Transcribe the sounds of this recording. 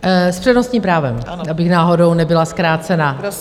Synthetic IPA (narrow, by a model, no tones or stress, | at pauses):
spr̥ɛdnostɲiːmpɾaːvɛm | abɪxnaːɦo̞do̞wnɛbɪlaskɾaːt͡sɛna